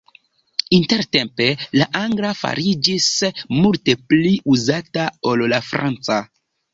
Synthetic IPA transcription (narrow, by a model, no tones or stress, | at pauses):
inte̞ɾte̞mpe̞laʔaŋɡlafa̰ɾid͡ʒismulte̞pliʔuzatao̞llafɾa̰nt͡sa